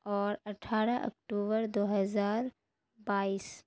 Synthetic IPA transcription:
ɔːɾɐʈʰaːɾaʔɐ̰k̚ʈuːbəɾd̪oːɦɐzaːɾ | baːiːs

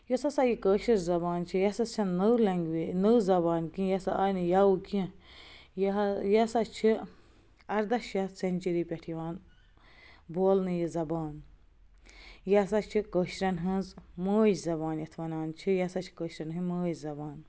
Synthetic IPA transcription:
josɐsajikəʃɐɾzɐbaːnt͡ʃʰijɐsɐt͡ʃʰɐnnːəwlɐŋɡʋinəwzɐbaːnkĩjɐsaaːjnɨjaukĩ | jjɐsɐt͡ʃʰi | ɐɾd̪ɐʃjɐsɐnʲt͡ʃiɾipʲɐʈʰiʋaːn | boːlnɨjizɐbaːn | jɐsat͡ʃʰikəʃɾɐnɦɐnzməːd͡ʒzɐbaːnjɐt̪ʰʋɐnaːnt͡ʃʰijɐsat͡ʃʰi̥kəʃɾɐnɦɨməːd͡ʒzɐbaːn

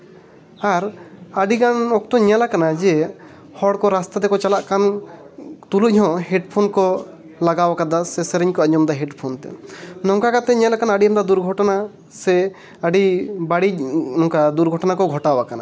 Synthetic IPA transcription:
aɾaɖiɡanɔk̚t̪ɔɲalakanad͡ʒɛ | hɔɽkɔɾast̪ad̪ɛkɔt͡ʃalaʔkan | t̪uluhɔ̃ɦɛɖpʰonkɔ | laɡawakad̪asɛsɛɾɛɲkɔaɲɔmd̪aɦɛɖpʰont̪ɛ̰nɔŋkakat̪ɛɲalakanaɖiand̪ad̪uɾɡʱɔʈɔna | sɛ | əɖibaɽinɔŋkad̪uɾɡʱɔʈɔnakɔɡʱɔʈawakana̰

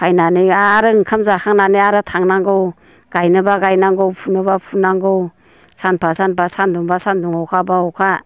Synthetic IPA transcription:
kʰajnaniaɾɯɯŋkʰamzakʰaŋnaniaɾɯtʰaŋnaŋɡɯw | ɡ̥ajnɯbaɡajnaŋɡowpʰunɯbapʰunaŋɡɯw | sanpʰasanpʰasanduŋbasanduŋhɔwkʰabaɔkʰa

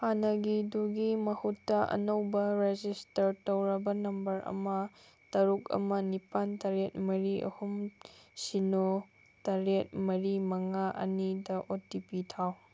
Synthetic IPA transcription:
hanɐɡiduɡimɐhutːɐʔɐ̰nɐwbɐɾed͡ʒistɐɾtɐwɾɐbɐnɐmbɐɾʔɐ̰mɐ | tɐɾukɐ̰mɐnipantɐɾet̚mɐɾiʔɐ̰humsino | tɐɾet̚mɐɾimɐŋaʔɐ̰nidɐʔotipitʰaw

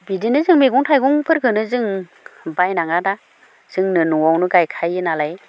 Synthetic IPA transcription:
bidinɯzɯŋmeɡɔŋtʰajɡɔŋpʰɯɾkʰɯnɯzɯŋ | bajnaŋada | z̥ɯŋnɯnuŋawnɯɡajkʰajɯnalaj

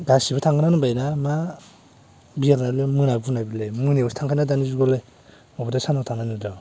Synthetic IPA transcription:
ɡasibatʰaŋɡɯnanɯbajnama | biaɾnalemɯnabunabilejmɯniusi̥tʰaŋkʰajnadanizuɡɔle | ɔbɔdasanatʰaŋnanɯdaw

